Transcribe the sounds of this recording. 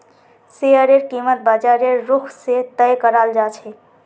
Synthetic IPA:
seəɾeɾkimət̪̚bəd͡ʒaɾeɾːukʰset̪əjkəɾald͡ʒat͡ʃʰɛ

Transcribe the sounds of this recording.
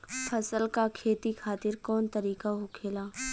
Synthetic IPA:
pʰɐsəlkakʰeːt̪ikʰaːt̪ɪɾkɔːnt̪ɐɾiːkaɦokʰeːlaː

